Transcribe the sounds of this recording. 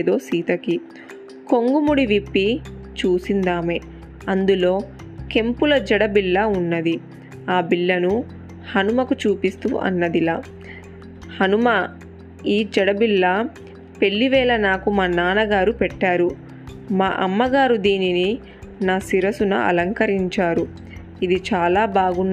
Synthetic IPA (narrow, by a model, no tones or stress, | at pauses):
d̪oːsiːt̪ɐki | ko̞ŋɡumuɽiʋipːi | t͡ʃuːsind̪aːme | ɐnd̪ulo̞ː | ke̞mpulɐd͡ʒɐɽɐbiɭːɐunːɐd̪i | aːbiɭːɐnu | hɐnumɐkut͡ʃuːpist̪ṵʔɐ̰nːɐd̪ilaː | hɐnumɐ | iːd͡ʒɐɽɐbilːɐ | pe̞ɭːiʋɛːlɐnaːkumaːnaːnɐɡaːɾupɛʈːaːɾu | maːʔɐmːɐɡaːɾud̪iːnini | naːsiɾɐsunɐ̰ɐ̰lɐŋkɐɾiɲt͡ʃaːɾu | id̪it͡ʃaːlaːbaːɡunː